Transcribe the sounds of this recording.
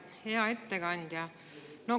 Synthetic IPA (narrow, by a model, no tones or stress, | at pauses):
he̞ɑe̞t̪ːeɡɑnʲd̪̥jɑ | no